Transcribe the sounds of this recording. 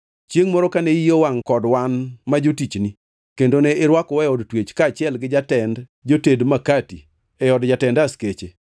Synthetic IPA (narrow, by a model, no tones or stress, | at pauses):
t͡ʃjeŋmɔɾɔkaneijowaŋkɔdwanmad͡ʒotit͡ʃni | kendoneɪɾwakɔwɛɔdtwet͡ʃkaːt͡ʃɪɛlɡɪd͡ʒatɛndd͡ʒotedmakati | ɛjɔdd͡ʒatɛndasket͡ʃe